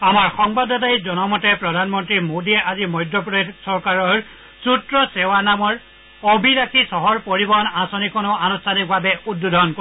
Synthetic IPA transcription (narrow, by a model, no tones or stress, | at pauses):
amaɹxɔŋbadɔtajzɔnɔmɔtɛpɹɔdʱanmɔntɹimodiɛʔazimɔjdɹɔpɔedsɔɹkaɹɔɹ | sutɹɔsɛwanamɔɹ | obʱiɾakʰisɔɦɔɹpoɹibɔɦɔnasɔnikʰɔnʊanustʰanik̚babɛudːudʱɔɔnko